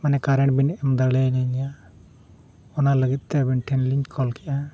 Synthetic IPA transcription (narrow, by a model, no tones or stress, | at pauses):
manɛkaɾɛɳʈ̚binɛʔɛmd̪aɽɛnaɲa | ɔnaləɡit̪̚ˀt̪ɛbinʈʰɛnliɲkʰɔlkɛʔa